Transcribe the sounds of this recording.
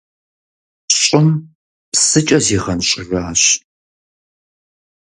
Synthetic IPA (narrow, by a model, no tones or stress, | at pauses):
ɕʼɪm | psɨt͡ʃʼɐziːʁɐnɕʼɪraːɕ